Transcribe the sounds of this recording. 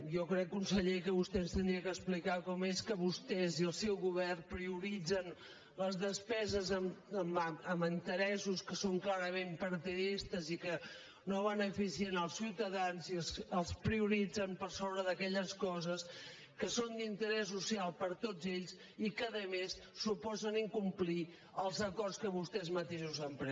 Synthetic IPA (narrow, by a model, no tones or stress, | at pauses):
jɔkɾɛkːunsəʎekəβust̪ɛnst̪ənd̪ɾiəkəsplikakɔmeskəβust̪ɛziəlˠsɛwɣuβ̞ɛrnpɾiuɾid͡zən | ləzðəspɛzəzəməməmənt̪əɾɛsuskəsoŋklaɾəmempəɾt̪iðist̪əzikə | noβənəfisiənəlˠsːiwt̪əðanzisəlˠspɾiuɾid͡zəmpəɾsoβɾəðəkɛʎəskɔzəs | kəsond̪int̪əɾɛs̬ːusialˠpəɾt̪od͡zeʎs | ikəðəmesːupɔzəniŋkumpli | əlˠzəkɔrskəβ̞ust̪ɛzmət̪eʃuzəmpɾɛ